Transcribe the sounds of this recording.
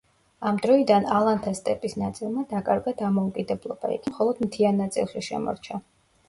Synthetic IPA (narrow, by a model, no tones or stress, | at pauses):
amd̪ɾɔid̪analˠant̪ʰast̪ʼɛpʼisnat̪sʼilˠmad̪akʼaɾɡad̪amɔukʼid̪ɛblˠɔb̥a̰ḭɡʰmχɔlˠɔd̪mt̪ʰianːat̪sʼḭlˠʃiʃɛ̰mɔ̰ɾt͡ʃʰa